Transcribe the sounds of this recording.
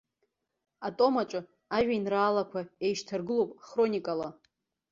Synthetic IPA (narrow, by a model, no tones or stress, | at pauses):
atʼo̞mat͡ʃʼɨ | aʒᶣʷainraːlakʷʰae̞jʃtʰarɡɨlowpʼχro̞nʲikʼala